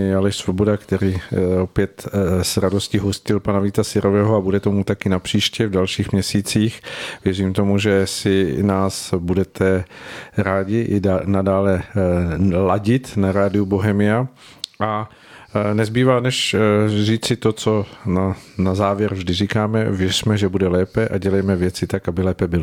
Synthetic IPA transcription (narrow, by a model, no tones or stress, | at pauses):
jalɛʃsvobodakt̪ɛɾiːopjɛt̪sɾado̞scɪɦo̞scɪlpanaviːt̪asɪɾʔovɛːɦoabudɛt̪o̞mut̪akɪnapr̝̥iːʃcɛvdalʃiːxmɲɛsiːt͡siːxvjɛriːmt̪o̞muʒɛsɪnaːsbudɛt̪ʰɛ | ɾaːɟɪʔɪnadaːlɛ | laɟɪt̪naɾaːdɪjuboɦɛmɪja | ʔa | nɛzbiːvaːnɛʃriːt͡sɪt̪ot͡sonanazaːvjɛɾvʒdɪrikaːmɛ̰vjɛr̥mɛʒɛbudɛlɛːpɛʔaɟɛlɛjmɛvjɛt͡sɪt̪akabɪlɛːpɛbɪl